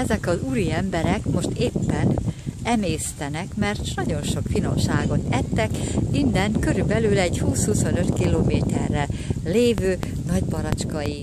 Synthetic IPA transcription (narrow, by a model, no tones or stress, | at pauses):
ɛzɛkɒzuːɾiɛmbɛɾɛkmo̞ʃt̪eːpːɛnɛmeːst̪ɛnɛkmɛrt̪nɒɟo̞nʃo̞kfino̞̰mʃaːɡo̞t̪ɛt̪ːɛkind̪ɛŋkøɾybɛlylɛɟhuːshuso̞nøt̪kiloːmeːt̪ɛ̰rːɛleːvøː | nɒɟbɒɾɒt͡ʃkɒji